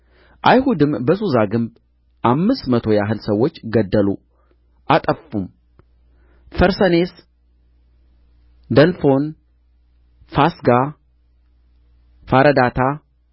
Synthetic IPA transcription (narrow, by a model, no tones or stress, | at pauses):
ʔajhud̪ɨmbəsuzaɡɨmb | ʔamːɨst̪mət̪ʰo̞jaɦɨlsəwːo̞t͡ʃːɡəd̪ːəlṵ | ʔat̪ʼəfum | fəɾsəne̞s | d̪əlfo̞n | fasɡa | faɾəd̪at̪ʰa